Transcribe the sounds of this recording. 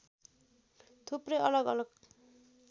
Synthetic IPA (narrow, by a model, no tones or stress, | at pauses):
t̪ʰuprʌjʌlʌɡʌ̰lʌɡ